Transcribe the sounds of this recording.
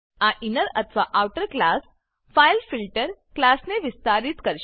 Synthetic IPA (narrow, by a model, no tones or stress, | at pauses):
aʔinəɾət̪ʰʋaʔaʋʈəɾklas | fajlfilʈəɾklasneʋist̪aɾiːt̪kəɾɕ